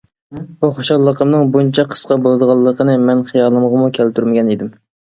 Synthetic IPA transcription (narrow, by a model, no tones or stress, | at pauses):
buχoʃɑlˠːəqʰəmnɨŋbunt͡ʃʰɑqʰə̥sqɑbolˠɨd̪əʁɑlˠːəqʰənɨmɛnχijɑlˠːəməʁəmukʲʰælt̪ʰyɾmɪɡʲɛnid̪ɪm